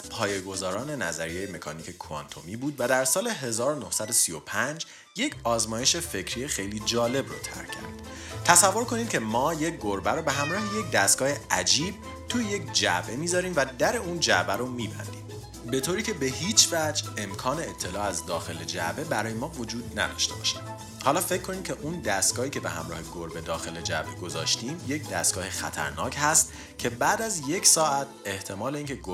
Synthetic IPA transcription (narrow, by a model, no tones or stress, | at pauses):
pʰɒːjeɡo̞zɒːɾɒːne̞næ̰zæɾijejeme̞kʰɒ̰ːniːcʰe̞kʰuɑ̰nt̪ʰo̰miːbuːd̪væd̪æɾsɒːle̞ɦe̞zɒːɾono̞hsæd̪osio̞pʰænd͡ʒ | je̞cʰɒːzmɒːjeʃe̞fe̞cʰɾijexejliːd͡ʒɒːle̞bro̰t̪ʰæ̰ɾcʰæ̰ɾd̪̥ | t̪ʰæsævːo̞ɾkʰo̞niːd̪̥̚cʲʰe̞mɒːje̞c̚ɡoɾbæɾobeɦæmɾɒːhejec̚d̪æst̪̚ɡ̥ɒːheʔæd͡ʒiːb̚ | t̪ʰujeje̞cʰd͡ʒæ̰ʔbe̞miːzɒːɾiːmvæd̪æɾe̞uːnd͡ʒæʔbæɾomiːbæ̰nd̪iːm | be̞t̪ʰoːɾiːcʰe̞behiːt͡ʃʰvæd͡ʒe̞mkʰɒːne̞ːt̪ʰːe̞lɒːæzd̪ɒːxe̞led͡ʒæ̰be̞bæɾɒːjemɒːvo̞d͡ʒuːd̪̚næ̰d̪ɒ̰ːʃt̪e̞bɒ̰ːʃi̥d̪ | hɒːlɒːfe̞cʰːo̞niːmcʲʰeʔund̪æst̪ɡ̥ɒːhiːcʰebe̞̰hæ̰mɾɒ̰ːheɡoɾbe̞d̪ɒːxe̞le̞d͡ʒæ̰be̞ɡo̞zɒ̰ːʃt̪iːmje̞cʰd̪æst̪̚ɡɒːhexæ̰t̪ʰæ̰ɾnɒːcʰhæst̪̚ | cʰe̞bæːd̪æzje̞cʰsɒːʔæt̪ʰe̞ht̪ʰe̞mɒːle̞iːŋcʰeɡo